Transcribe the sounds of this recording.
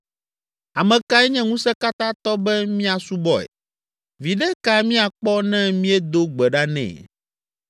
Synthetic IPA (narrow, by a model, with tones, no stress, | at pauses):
a˨mɛ̃˨ka˦ɛ˦ɲɛ̃˦ŋũ˦sɛ˦ka˦t̪ã˦t̪ɔ˦bɛ˦mĩ˦a˨su˦bɔ˦ɛ̰˨ | vi˨ɖɛ˦ka˨mĩ˦a˨k͡pɔ˦nɛ̃˦mĩ˦ɛ˦d̪o˦ɡ͡bɛ˨ɖa˦nɛ̰̃˨